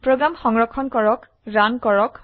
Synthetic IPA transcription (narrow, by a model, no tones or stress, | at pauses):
pɹoɡɹamxɔŋɹɔkʰːɔnkɔɹɔk | ɹankɔɹɔk